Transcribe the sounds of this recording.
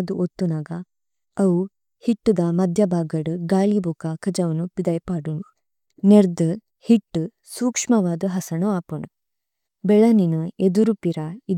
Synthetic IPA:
d̪uʔot̪ːunaːɡɐ | ɐwu | hiʈːud̪ɐmɐd̪ʱjɐbʱaːɡɐɽuɡaːlibokɐkɐd͡ʒɐʋɐnupid̪ɐjpaːɽunu | neɾd̪ɨ | hiʈːu | suːkʂmɐʋaːd̪ɐɦɐsɐɳuaːpɐɳu | bɛɭɐninɐed̪uɾupiɾɐi

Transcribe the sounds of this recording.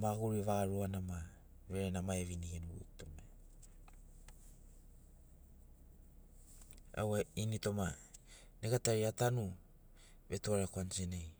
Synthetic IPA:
maɡuɾievaɾuanama | ɾeɾenamaeβiniɡenuɡutome | a̰wainito̞ma | nekataɾiatanu | βe̞tuaɾakoant͡ʃenej

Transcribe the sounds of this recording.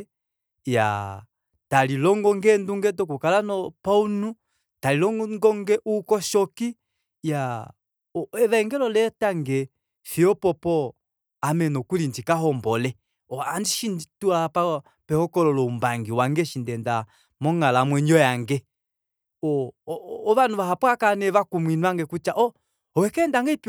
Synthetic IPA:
ja̰ | talilɔŋɡɔŋɡɛnduŋɡɛt̬ɔk̬ukalanɔpaunu | talilɔŋɡɔŋɡɛʔukɔʃɔki | ja | ɔɛβɛɛŋɡɛlɔlɛtaŋɡɛ | fiɔpɔpɔ | amɛnɔkulind͡ʒikaɦɔmbɔlɛ | ɔandiʃinituapa | pɛhɔkɔlɔlɔumbaŋɡiwaŋɡɛʃindɛnda | mɔŋalamwɛɲɔjaŋɡɛ | ɔː | βanuβaɦapwakanɛβakumwinwaŋɡɛkut͡ʃaʔɔ | ɔwɛkɛːndaŋɡɛip

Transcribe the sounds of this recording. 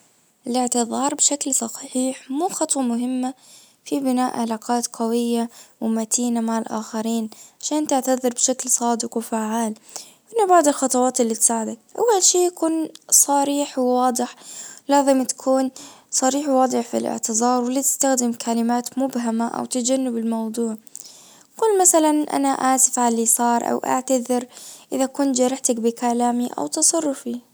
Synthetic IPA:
ʔɪlɪʕt̪ɪðˤɑːɾˤbʃaklsˤɑxħiːħmuːxɑt̪ˤwɑmʊɦɪmːa | fibɪnaːʔʕɪlaːqɑːt̪qawɪjːawɪmat̪iːnamaʕɪlʔa̰ːxaɾiːnʕaʃaːnt̪ɪʕt̪aðˤɨɾbʃaklsˤɑːd̪ɪqwɪfaʕaːl | ʔɪnːabaʕd̪ɪlxɑt̪ˤɑwɑːt̪ɪlːit̪saːʕɪd̪akʔa̰wːalʃiːjakuːnsˤɑɾiːħwwɑːd̪ˤɨħlaːzɪmt̪ḁkʰuːnsˤɑɾiːħwwɑːd̪ˤɨħfḭlʔɪ̰ʕt̪ɪzˤɑːɾˤwɪlːit̪ɪ̥st̪axd̪ɪmkʰalɪmaːt̪mʊbɦamaʔa̰wt̪ad͡ʒanːɪbɪlmɑwd̪ˤuːʕ | kʊlːmaθalanʔa̰naʔaʕsɪfʕalːisˤɑːɾˤʔa̰wʔa̰ʕt̪aðɪɾʔɪðakʊnt̪d͡ʒɑɾˤɑħt̪ak̚bɪkalaːmiʔa̰wt̪ɑsˤɑrˤːʊfi

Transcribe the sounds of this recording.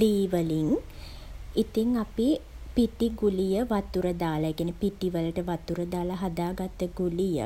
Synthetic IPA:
liːʋəliŋ | it̪iŋapi | piʈiɡulijəʋat̪uɾəd̪aːlaeːkijæːnipiʈiʋələʈəʋat̪uɾəd̪aːlaɦad̪aːɡat̪ːəɡulijə̰

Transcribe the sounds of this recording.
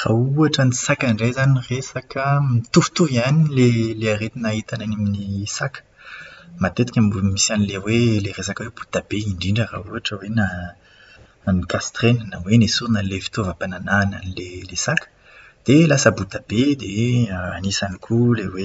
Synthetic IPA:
ʁa̰uaʈ͡ʂənisakaɳɖ͡ʐejzaniʁesakəmit̪uv̥t̪uvianileleaʁet̪inait̪ananeminisakə̥ | mat̪et̪i̥kʲammisanileweleʁesakwebut̪ab̥eiɳɖ͡ʐiɳɖ͡ʐəʁa̰uaʈ͡ʂəwena | nikast̪ʁenənawenesuʁinalefi̥t̪ovapananaːna̰nilelesakə̥ | d̪̥elasəbut̪ab̥ed̪eəa̰nisanikʰulewe

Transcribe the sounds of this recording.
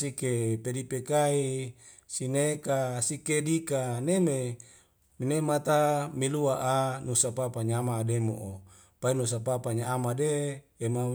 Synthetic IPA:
sikepedipekai | sinekasikedikaneme | minemat̪amiluaʔanusapapaɲamaːdemo̰ʔo | painus̬apapaɲaːmadeːma

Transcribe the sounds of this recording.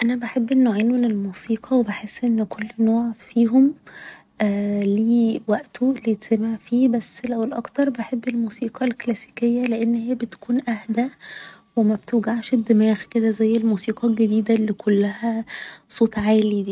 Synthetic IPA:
ʔænæbaħebːʔenːoʕeːnmenelmuːsiːqʰɑwebeħesːʔenːkʰolːnoːʕfiːɦom | ʔæliːwæʔt̪ʰolːijet̪sæmaʕfiːbæsːlæwelʔɑ̰kt̪ɑɾˤbeħebːelmuːsiːqʰɑlklæsi̥ːkejːæleʔenːhejːæbet̪kuːnʔæhd̪æ | wemæbt̪ewɡaʕʃed̪ːemæːxked̪æzæjːelmuːsiːqɑɡæd̪iːd̪ælːikʰolːæhæsˤoːt̪ˤʕaːlid̪iː

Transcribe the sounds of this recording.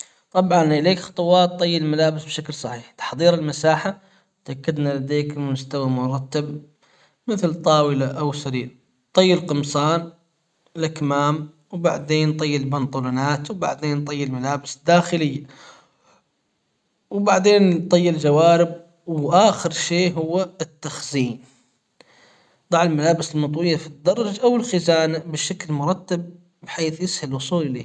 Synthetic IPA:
t̪ˤɑbʕɑnʔɪleːkxɑ̥t̪ˤʊwɑːt̪ˤːɨjːalmalaːbɪsbʃaklsˤɑħiːħt̪ḁħðˤiːɾɪlmasaːħa | t̪ʔakːɪd̪nalad̪eːkmʊst̪awamʊɾˤɑt̪ːab | mɪθlt̪ˤɑːwɪlaʔawsaɾiːɾ | t̪ˤɨjːɪlqɨmsˤɑːn | lakmaːm | wbaʕd̪eːnt̪ˤɨjːɪlbɑnt̪ˤulanaːt̪wba̰ʕd̪eːnt̪ˤɨjːɪlmalaːbɪsd̪aːxɪlɪjːa | wbaʕd̪eːnt̪ˤɑjːɪld͡ʒawaːɾɪb̚ | wʔaːxɪɾʃeːɦʊwːaɪt̪ːaxziːn | d̪ˤɑʕɪlmalaːbɪsɪlmɑt̪ˤwɪjːafid̪̚d̪ːɑrˤːɑd͡ʒʔawɪlxɪzaːnabɪʃaklmʊɾˤɑt̪ːab̚ | bħeːθjɪshalʔʊsˤuːlʔɪlḛː

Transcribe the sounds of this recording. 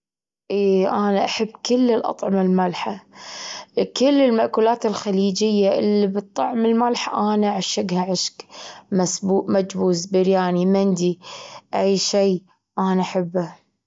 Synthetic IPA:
ʔiːʔaːnaʔaħabːkɪlːɪlʔɑ̰t̪ˤʕɑmɪlmalħa | kɪlːɪlmaʔkuːlaːt̪ɪlxaliːd͡ʒɪjːaʔɪlːibɨt̪ˤːɑʕmɪlmalħaʔaːnaʕaʃɪɡhaʕɪʃkmasbuːʔmad͡ʒbuːzbɪɾjaːnimɪnd̪iʔajʃiː | ʔaːnaʔaħabːa

